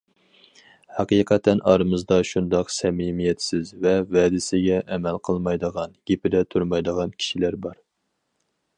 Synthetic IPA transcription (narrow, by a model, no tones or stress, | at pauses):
hɑqiqʰɑt̪ʰɛnʔɑɾɨmɨzd̪ɑʃund̪ɑqsɛmimijɛt̪sɪzvɛvɛːd̪ɪsɪɡʲɛʔɛmɛlqʰəlˠmɑjd̪əʁɑnɡ̥ʲepɪd̪ɛt̪ʰuɾmɑjd̪əʁɑnkʲʰi̥ʃilæɾbɑɾ